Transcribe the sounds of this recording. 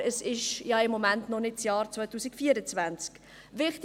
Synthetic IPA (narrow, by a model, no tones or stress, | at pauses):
ɛsɪʃjɑɪmːɔmæntnɔnɪt̚t͡sjɑːɾt͡svœʏtuːsɪkfiːəɾət͡svænt͡sk | vɪχt